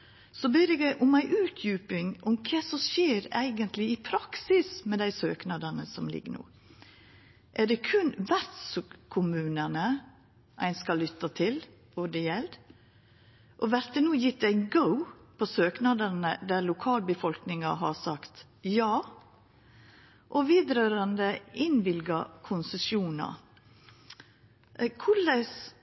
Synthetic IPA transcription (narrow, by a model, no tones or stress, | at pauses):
sɔbeːɾɛɡæɪʔʊmæɪʔʉːt̪ʰjʉːpɪŋʔɔmkʰeːsɔʃeːɾæ̰ɪɡənt̪lɪɪpʰɾɑksɪsmɛd̪æɪsøːknɑd̪ɑnəsɔmlɪ̰ɡənṵː | ʔæd̪ɛkʰʉnʋæɾt̪skʰʊmʉːnənə | ʔæɪnskɑlʏt̪ːɑt̪ʰɪl | ɔd̪ɛjɛlɾ | ʔɔʋæɾt̪ənuːjɪt̪ːæɪɡəʊpʰɔsøːknɑd̪əɾnəd̪æɾlʊkʰɑːlbəfɔlknɪŋɑɦɑɾsɑkt̪ | jɑː | ʔɔʋiːd̪ɾøːɾɑnd̪əʔɪnʋɪlɡɑkʰʊnsəsjuːnɑ̰ | kʰʊləs